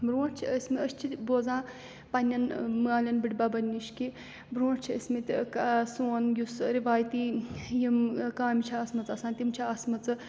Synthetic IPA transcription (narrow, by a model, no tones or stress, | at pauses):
bɾõːʈt͡ʃʰiəsʲmiəʃt͡ʃʰit̪ʲboːzãː | pɐnʲːɐnmɨaːlʲɐnbɨʈʲbabɐnʲːiʃki | bɾõːʈt͡ʃʰiəsʲmit̪ʲkasoːnjusɾiʋaːjt̪ijimkaːmʲit͡ʃʰaɐsmɐt͡sɐsãːnt̪ʲimt͡ʃʰiɐsmɐt͡sɨ